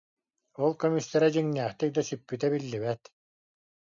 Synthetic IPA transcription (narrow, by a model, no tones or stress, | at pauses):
ɔlˠkɔmisːɛɾɛd͡ʑiŋnɛːχt̪ik̚d̪asypːyt̪ɛbilːiβɛt̪